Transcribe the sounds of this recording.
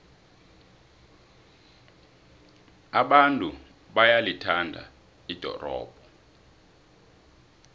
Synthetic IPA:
aɓantʼu | ɓajalitʰandʱa̰ | id̥ʱɔ̰rɔ̰ːb̥ʱɔ

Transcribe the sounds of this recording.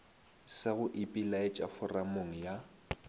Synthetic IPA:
sɪɣʊʔɪpʼilaɪt͡ʃʼafʊramoŋ̩ja

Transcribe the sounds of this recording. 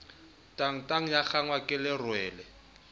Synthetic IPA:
tʼaŋ̩tʼaŋ̩jak͡xaŋwakʼɪlɪrwɛːlɛ

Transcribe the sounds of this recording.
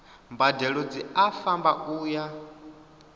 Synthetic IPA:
mbadɛɺɔd͡ziafambaʔuːja

